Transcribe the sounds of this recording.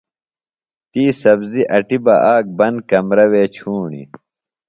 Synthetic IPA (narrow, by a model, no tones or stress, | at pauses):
t̪iːsɐbziʔɐʈibɐʔaːk̚bɐnd̪̚kɐmɾɐweːt͡ɕʰuːɳḭ